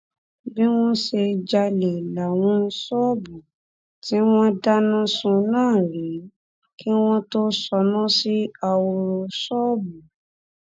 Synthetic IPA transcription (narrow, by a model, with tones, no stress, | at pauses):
bi˦w̃ɔ̃˦ʃe˧d͡ʒa˧le˨la˨w̃ɔ̃˦sɔ˦˨bu˨ | ti˨˦w̃ɔ̃˦da˦nũ˦sũ˧nãː˦˨ɾi˨˦ | ki˦w̃ɔ̃˦to˦sɔ˧nũ˦si˦a˧wo˧ɾo˧sɔː˦˨bu˨